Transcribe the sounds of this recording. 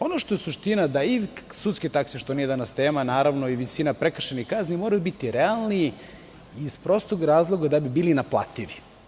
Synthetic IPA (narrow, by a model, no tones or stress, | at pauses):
o̞noʃt̪o̞jesuʃt̪inad̪aisut̪sket̪akseʃt̪onijed̪anast̪eːmanaːɾaʋnoiʋisinapɾekr̩ʃenikaznimoɾajubit̪iɾealˠniː | spɾo̞st̪oɡɾaːzlˠo̞ɡad̪abibiːlinaplˠa̰t̪iʋi